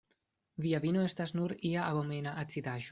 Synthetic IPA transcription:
viavinoest̪asnuɾiaʔabomeːnaʔat̪t͡sid̪aːʃu̥

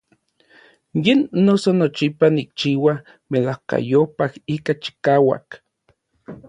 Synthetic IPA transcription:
jenːosonot͡ʃipanik̚t͡ʃiːwa | melahka̰jopahikat͡ʃi̥kaːwa̰k

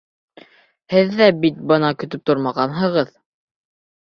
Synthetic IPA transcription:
hɘðːæbit̪̚bɤnɑkɵ̆t̪ɵp̚t̪oɾmɑʁɑnɦɤ̆ʁɤð

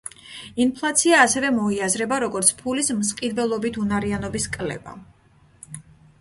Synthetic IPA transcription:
inpʰlˠat̪sʰiaːsɛvɛmɔiazɾɛbaɾɔɡɔɾt̪sʰpʰulismsqʼid̪vɛlˠɔbit̪ʰunaɾianɔbiskʼlɛ̰ba̰

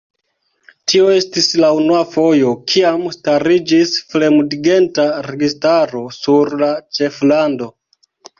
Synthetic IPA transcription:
tio̞e̞stislaunuafo̞jo̞kʰiamstaɾid͡ʒisfle̞mudɡe̞ntaɾe̞ɡistaɾo̞suɾlat͡ʃe̞flando̞

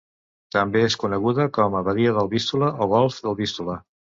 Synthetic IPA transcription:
t̪əmbeeskunəɣuðəkɔməβəðiəðəlˠβist̪uləʔoɣ̞ɔlˠfðəlˠβist̪ulə

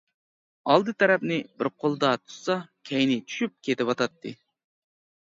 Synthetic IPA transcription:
ɑlˠd̪ɨt̪ʰɛɾɛpnɪbɪɾqʰolˠd̪ɑt̪ʰu̥sɑkʲʰɛjnɪt͡ʃʰy̥ʃyp̚kʲʰet̪ɪpɑt̪ɑt̪ʰːɨ

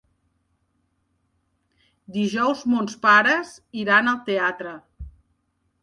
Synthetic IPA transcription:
d̪iʒɔwzmonspaɾəziɾanəlˠt̪eat̪ɾə

